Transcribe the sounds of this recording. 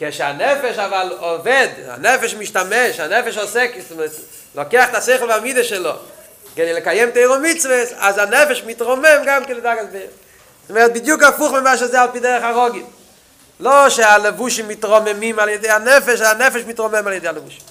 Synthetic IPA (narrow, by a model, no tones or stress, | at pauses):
kɛʃa̰nɛfɛʃavalˠɔvɛda̰nɛfɛʃmiʃtamɛʃanɛfɛʃɔsɛksms | lɔkeaχtaseɪχl̩ˠvamidəʃɛlˠɔ̰ | ɡɛneləkajɛmteɪʁomit͡svəsa̰zanɛfɛʃmɪtʁɔmɛmɡamkɪlɪdaɡasbeɪʁ | smɛt̚bɪdjuːkafuχməmvaʃazeal̚ˠpidɛʁəχaʁɔɡɪm | lˠoʃealəvuʃimːɪtʁɔmɛmimalˠjɛdeɪanɛfɛʃaanɛfɛʃmɪtʁɔmɛmalˠjɛdeɪaləvuʃi̥mm